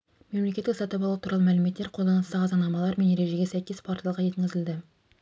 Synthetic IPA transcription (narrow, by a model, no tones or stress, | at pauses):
memlekʲet̪ːɪksɑt̪ɑpɑlˠuət̪uɾɑlˠəmælɪme̞t̪ːe̞ɾqʰod̪ɑnəst̪ɑʁɑzɑnɑmɑlˠɑɾme̞nje̞ɾe̞ʒe̞ɡʲesæjkʲe̞spʰoɾt̪ijɑlˠʁɑje̞t̪kʲɪzɪld̪ɪ